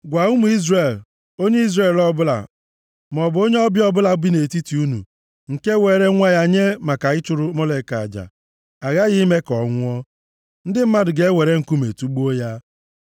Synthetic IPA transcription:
ɡʷa˨ʊ˦mʊ˨i˦zre˨l | o˦ɲe˦i˦zɾe˨lɔ˦bʊ˦la̰˨ | m˨ɔ˨bʊ˨o˦ɲe˦ɔ˦bjɔ˦bʊ˦la˦bi˦ne˨ti˦ti˨u˦nṵ˨ | ŋ̩˨ke˦we˨˦ɾe˦ŋʷa˦ja˦ɲe˦ma˨ka˨ɪ˦t͡ʃʊ˦ɾʊ˦mɔ˦le˨ka˨d͡ʒa̰˨ | a˨ɣa˦ɣi˦me˦kɔ˨ŋʷʊ˦ɔ˦ | n̩˦dɪ˦m̩˦ma˦dʊ˨ɡe˦we˨ɾe˦ŋ̩˨ku˦me˨tu˦ɡ͡bu˦o˦ja˦

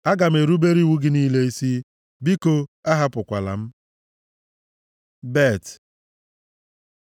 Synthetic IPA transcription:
a˦ɡa˨m̩˨e˨ɾu˦be˦ɾi˦wu˦ɡɪ˦niː˦le˦i˦si˦ | bi˦ko˦a˦ɦa˦pʊ˨kʷa˨la̰˨m̩˦ | be˦˨t

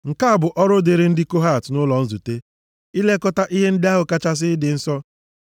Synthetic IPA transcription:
ŋ̩˨ka˦a˨bʊ˨ʔɔ˦ɾʊ˦de˨ɾe˨n̩˦dɪ˦ko˦ɦa˦˨tnʊ˦lɔ˨n̩˦zu˨te˦ | i˦le˦kɔ˦ta˦ʔi˦ɦe˦n̩˦dɪ˦a˦ɦʊ˨ka˦t͡ʃa˦s̬ɪ˦dɪ˨n̩˦sɔ˦

